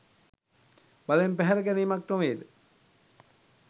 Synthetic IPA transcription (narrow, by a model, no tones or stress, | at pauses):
balempæɦæɾəkæniːmak̚ʈoʋeːd̪ə